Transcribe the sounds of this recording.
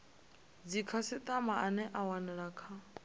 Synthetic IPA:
d͡zikʰasit̪ʼamaʔanɛʔawanɛɺakʰa

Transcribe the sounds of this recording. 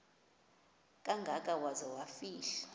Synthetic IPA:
kʼaŋɡʱakʼawazawafiːɬḁ

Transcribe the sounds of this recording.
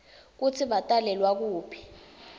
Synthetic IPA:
k̬utʰiɓatʼalɛlwak̬uːpʰi̥

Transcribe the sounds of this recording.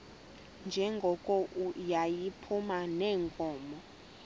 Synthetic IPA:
nd͡ʒʱɛŋɡʱɔkʼɔʔujajipʰumanɛːŋkʼɔːmɔ

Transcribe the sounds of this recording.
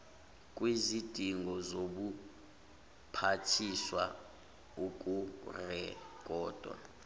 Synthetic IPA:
kʼwizid̥ʱiŋɡʱɔzoɓu | pʰatʰiswa | uk̬ʼurɛk̬ʼɔːd̥ʱwa̰

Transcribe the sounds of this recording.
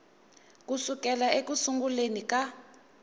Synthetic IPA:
k̬ʼusuk̬ʼɛlaek̬usuŋɡulenik̬ʼa

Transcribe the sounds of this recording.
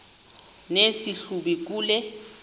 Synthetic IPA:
nesiɬuɓik̬ʼuːlɛ

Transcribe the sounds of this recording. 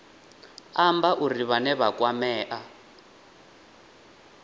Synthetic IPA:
ambaʔuriβanɛβakʼwamɛːʔa

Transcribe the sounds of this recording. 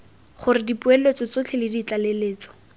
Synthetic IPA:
χʊrɪdipʊelet͡sɔt͡sot͡ɬʰɪlɪdit͡ɬaleleːt͡sɔ̥

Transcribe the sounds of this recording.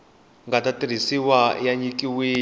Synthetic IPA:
ŋɡatatiɾ̤isiwajaɲikʼiwiː

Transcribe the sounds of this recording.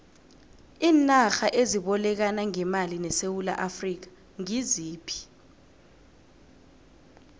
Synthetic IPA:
iːnaxaʔeziɓɔlɛk̬anaŋɛmalinɛsewula̰ʔafrik̬ḁ | ŋiziːpʰi̥

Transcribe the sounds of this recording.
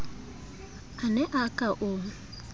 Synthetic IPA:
anɛʔakʼaʔʊ

